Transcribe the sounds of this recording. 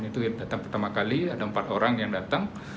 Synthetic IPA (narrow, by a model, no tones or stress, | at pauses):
nit̪udat̪aŋpərt̪amakaliadaəmpat̪oɾaŋjaŋdat̪aŋ